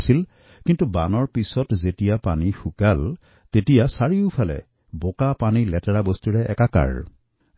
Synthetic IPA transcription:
sil | kintubanɔɹpisɔtzetijapanixukal | tetijasaɹiʊpʰalɛ̰ | bokapanilɛtaɹabostuɹɛɛkaka̰ɹ

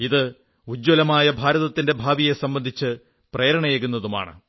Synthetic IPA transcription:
iðɨ | ud͡ʑːolɐmaːjɐbʱaːɾɐðɐt̪ːinde̞bʱaːbije̞sɐmbɐnd̪ʱit͡ɕːɨ | pre̞ːɾɐɳɐjeɣunːɐðuma̰ːɳɨ̰

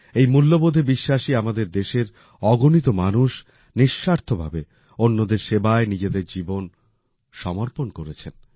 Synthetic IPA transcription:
ejmulːobod̪ʱebiʃːaʃiamad̪eɾd̪eʃeɾ | ɔɡonit̪omanuʃ | niʃːaɾt̪ʰobʱa̰be | onːod̪eɾʃebaenid͡ʑed̪eɾd͡ʑibon | ʃɔmoɾponkoɾet͡ɕʰen

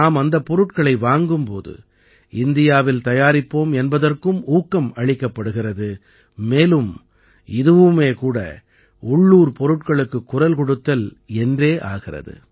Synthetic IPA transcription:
naːmɐnd̪ɐpːɔɾɯʈkɐɭɐɪʋaːŋɡɯmpo̰ːðɯ̰ | ɪnd̪ɪjaːʋɪlt̪ɐjaːɾɪpːoːmɛnbɐðɐrkɯmuːkːɐmɐɻɪkːɐpːɐɽɯɣɪrɐðɯ | meːlɯm | ɪðɯʋɯmeːkuːɽɐ̰ | ʊɭːuːɾpɔɾɯʈkɐɭɯkːɯkːʊrɐlkɔɽɯt̪ːɐl | ɛndreːʔaːɣɪrɐ̰ðɯ̰

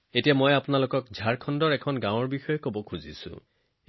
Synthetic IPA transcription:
etijamojapʊnalokɔkzʱaɹkʰɔndɔɹɛkʰɔnɡãw̃ɔɹbixɔjɔkobɔkʰuzḭsʊ̰̃

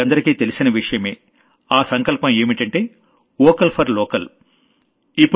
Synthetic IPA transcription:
ɐnd̪ɐɾikiːt̪e̞lisinɐʋiʂɐjɐme̞ː | aːsɐŋkɐlpɐme̞ːmiʈɐɳʈe̞ː | ɔːkɐlpʰɐɾlɔːkɐl | ipːu

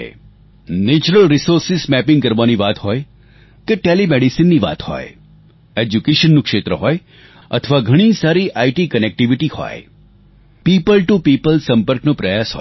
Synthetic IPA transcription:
ḛ | net͡ʃuɾəlɾisoɾsɪsmɛpɪ̃ŋɡkəɾʋaniʋat̪ɦɔj | keʈelimeɽisinːiʋa̰t̪hɔ̰j | ed͡ʒukeʃənːũkʃet̪ɾəɦɔj | ə̰t̪ʰəʋaɡʱəɽ̃isaɾiʔaiʈikənek̚ʈiʋiʈihɔ̰j | pipəlʈupipəlsə̃mpəɾknõpɾəjasɦɔ̰

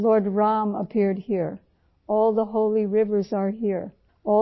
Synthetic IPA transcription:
lɔɹd̚ɹɑ̃məpʰɪɹd̚hiɹ | ɔlˠðəɦoʊlˠiɹɪvə˞zə˞ɦiɹ | ɔ

